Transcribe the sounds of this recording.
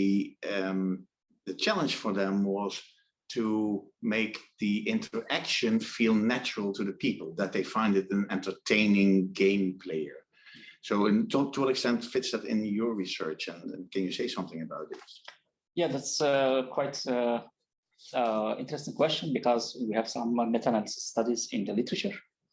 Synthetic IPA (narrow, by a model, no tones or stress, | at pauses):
m | ðɨt͡ʃʰælˠə̃nd͡ʒ̥fə˞ðə̃mwʌz̥ | tʰumeɪkðiɪ̃ntʰə˞ækʃɨ̃nfilˠnæt͡ʃəɹəl̩ˠtʰuðəpʰipəl̩ˠðət̪̚ðeɪfãɪ̃ndɨɾɨ̃nɛ̃ntə˞tʰẽɪ̃nɪ̃ŋɡẽɪ̃mpʰl̥eɪə̰˞ | soʊɪ̃nttʰəwʌɾɛkstɛ̃ntfɪtsðæɾɪ̰̃njə˞ɹisɜ̰˞t͡ʃɨ̃nkæ̃njɨseɪsʌ̃mθɪ̃ŋəbaʊt̪̚ðɪs | jæðætskʰwaɪt | ɪ̰̃ntəɹɛst̪ɪ̃ŋkwɛst͡ʃə̃nbɨkɔzwihæv̥sʌ̃mːɛtʰanə̃nsstʌdizɪ̃ndəlɪtəɹət͡ʃəɹ